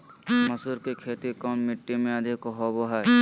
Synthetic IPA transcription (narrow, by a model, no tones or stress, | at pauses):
mɐsuɾkekʰeːt̪ikɔmːɪʈːimẽəd̪ʱikoɦoboɦɛ